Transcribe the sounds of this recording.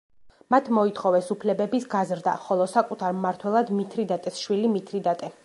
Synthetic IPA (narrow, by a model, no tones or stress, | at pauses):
mat̪ʰmɔit̪ʰχɔvɛsupʰlɛbɛbisɡazɾd̪a̰χɔlˠɔsakʼut̪ʰaɾmaɾt̪ʰwɛlˠad̪mit̪ʰɾid̪at̪ʼɛsʃwilimit̪ʰɾid̪at̪ʼɛ